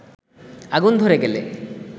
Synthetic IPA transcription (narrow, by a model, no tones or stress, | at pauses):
aɡund̪ʱoɾeɡɛle